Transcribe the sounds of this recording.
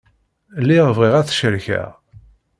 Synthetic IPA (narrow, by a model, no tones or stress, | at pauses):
lːiʁvʁiʁæθʃəɾçæ̰